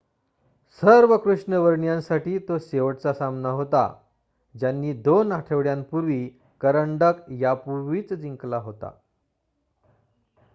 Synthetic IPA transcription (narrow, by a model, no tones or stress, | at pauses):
səɾʋəkɾuʂɳəʋəɾɳjãnsaʈiːt̪oseʋəʈt͡sasamnaɦot̪a̰ | d͡ʑjanːiːd̪onɦaʈʰeʋɽjampuɾʋiː | kəɾəɳɖəkjapuɾʋit͡sd͡ziŋklaɦot̪a̰